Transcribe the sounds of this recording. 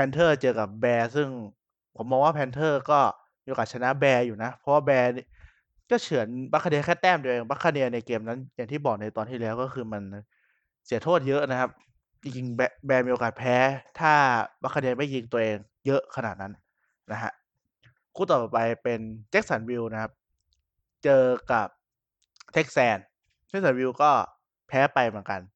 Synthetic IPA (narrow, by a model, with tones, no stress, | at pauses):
pʰɛː˧nt̪ʰɤː˥˩t͡ɕɤː˧ka˨˩p̚bɛː˧sɯ˥˩ŋ | pʰo˩˦mːɔː˧ŋwaː˥˩pʰɛː˧nt̪ʰɤː˥˩kɔː˥˩ | mi˧ʔo˧kaː˨˩t̚t͡ɕʰa˧na˦˥ʔbɛː˧juː˨˩na˦˥pʰɔ˦˥waː˥˩bɛː˧ni˥˩ | kɔː˥˩t͡ɕʰɯ˨˩˦ənba˦˥kʰːa˧ni˧kʰɛː˥˩t̪ɛː˥˩mt̪u˧ʔeː˧ŋba˦˥kʰːa˧ni˧əna˧jkeː˧mna˦˥nja˨˩ŋt̪ʰiː˥˩bɔː˨˩k̚na˧jt̪ɔː˧nt̪ʰiː˥˩lɛː˦˥wkɔː˥˩xʰɯː˧ma˧n | si˨˩˦t̪ʰoː˥˩t̪̚jɤ˦˥ʔna˦˥kʰa˦˥p̚ | t͡ɕi˧ŋt͡ɕi˧ŋbɛ˧bɛː˧miː˧o˧kaː˨˩t̪̚pʰɛː˦˥t̪ʰaː˥˩ba˦˥kʰa˧ni˧əma˥˩ji˧ŋt̪u˧ɐʔeː˧ŋ | jɤ˦˥ʔkʰa˧naː˨˩t̪̚na˦˥n | na˦˥kʰa̰˦˥ʔ | kʰuː˥˩t̪ɔː˨˩pa˧jpe˧nt͡ɕe˦˥k̚sa˩˦nwi˧wna˦˥kʰa˦˥p̚ | t͡ɕɤː˧ka˨˩p̚ | t̪ʰe˦˥k̚sɛː˧n | t͡ɕʰe˥ksa˨˩˦nwi˧wkɔː˥˩ | pʰɛː˦˥pa˧jmɯ˩˦ənka˧n